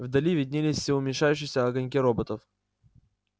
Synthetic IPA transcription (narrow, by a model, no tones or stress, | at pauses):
vd̪ɐlʲivʲɪd̪ʲnʲilʲɪsʲsʲɪʊmʲɪnʲʂajʉɕ̬ːɪxsʲəɐɡɐnʲk̬ʲiɾobət̪əf